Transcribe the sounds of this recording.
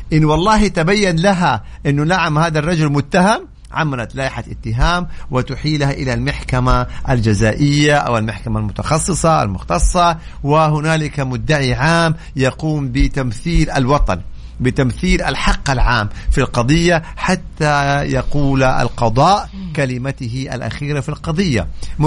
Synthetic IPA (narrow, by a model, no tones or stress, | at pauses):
ʔɪnːwɑlˤːɑːɦit̪abajːanlaɦa | ʔɪnːʊlaʕamhaːðarˤːɑd͡ʒʊlmʊt̪ːaɦam | ʕa̰mːalat̪laːʔɪħaʔɪt̪ːɪɦaːmwɪt̪ʊħiːlhaʔɪlalmaħkamaʔald͡ʒazaːʔɪjːaʔa̰walmaħkamalmʊt̪ɑxɑsˤːɨsˤɑʔa̰lmʊxt̪ɑsˤːɑ | wɪɦʊnaːlɪkamʊd̪ːaʕiʕaːm | jɑquːmbɪt̪amθiːlalwɑt̪ˤɑn | bɪt̪amθiːlʔa̰lħɑqːalʕaːmfilqɑd̪ˤɨjːa | ħat̪ːajɑquːla̰lqɑd̪ˤɑːʔkalɪmat̪ɪɦɪʔa̰lʔa̰xiːɾafilqɑd̪ˤɨjːa̰m